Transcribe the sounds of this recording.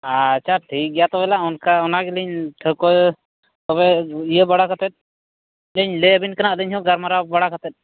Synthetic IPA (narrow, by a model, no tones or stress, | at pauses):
at͡ʃʰaʈʰik̚ɡɛjat̪ɔbɛlaʔɔnkaɔnaɡɛləɲʈʰəkɔ | t̪ɔβɛijəbaɽakʰat̪ɛt̪̚ˀ | ləɲlɛəbinkənaʔləɲɦɔ̃ɡaɾmaɾabaɽakʰat̪ɛt̪̚ˀ